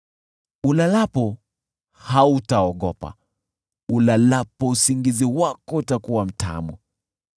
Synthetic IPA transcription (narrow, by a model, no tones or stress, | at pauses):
ulalapɔ | hautaɔɠɔpa̰ | ulalapɔusiŋɡiziwakɔutakuwam̩ta̰mṵ